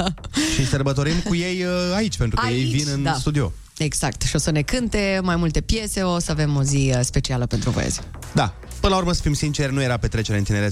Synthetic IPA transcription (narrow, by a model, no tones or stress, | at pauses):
ʃisərbət̪o̞ɾimkuje̞jait͡ʃʲpe̞nt̪ɾukəjejvinɨnd̪ast̪ud̪io̞̰ | e̞ɡz̥akt̪ʃio̞səne̞kɨnt̪e̞majmult̪e̞pje̞se̞osəave̞mo̞zispe̞t͡ʃialəpe̞nt̪ɾuvo̰j̰zʲ | d̪a | pɨnlauɾməsə̥fimsint͡ʃe̞rnuje̞ɾape̞t̪ɾe̞t͡ʃe̞ɾeɨnt̪ineɾe